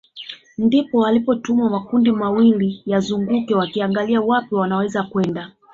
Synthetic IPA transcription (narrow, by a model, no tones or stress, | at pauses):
ndipɔalipɔtumamakundimawilijazuŋɡukɛwakiaŋɡaliawapiwanawɛzakwɛnda